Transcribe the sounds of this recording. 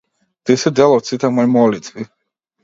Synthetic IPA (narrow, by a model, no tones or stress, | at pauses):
d̪̥isid̪ɛlɔt̪sʰit̪ʰamɔmɔlit͡s̪ʼvi